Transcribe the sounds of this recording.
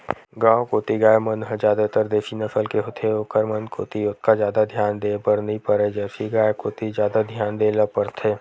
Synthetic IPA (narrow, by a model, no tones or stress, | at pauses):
ɡãːõkoːt̪iɡaːjmənɦəd͡ʒjaːd̪at̪əɾd̪eːfʰinɐfʰəlkeɦot̪ʰeoːkəɾmənkʰoːt̪iʊt̪̚kazjaːd̪ad̪ʱjaːnd̪eːpəɾnɐɦĩpəɾed͡ʒəːfiɡaːekoːt̪izjaːd̪ad̪ʱjaːnd̪eːləpəɾt̪ʰeː